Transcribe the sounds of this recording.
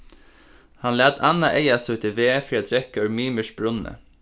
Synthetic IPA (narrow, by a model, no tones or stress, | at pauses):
hanlæːd̪anaʔeɪjasʉːt̪ʰɪʋeːfɾiːad̪ɾɛkːœʏɹmiːməʃb̥ɾʊnːə̰